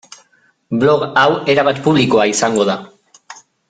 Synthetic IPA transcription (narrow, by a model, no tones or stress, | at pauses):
blo̞ɣaweɾaβat̪puβ̞liko̞aisaŋɡo̞ða